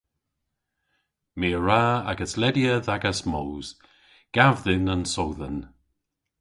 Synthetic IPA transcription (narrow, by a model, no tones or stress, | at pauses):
meːɹaːaɡəslɛdjəðaɡəsmoːwz̥ | ɡ̥avðɪnənsowðən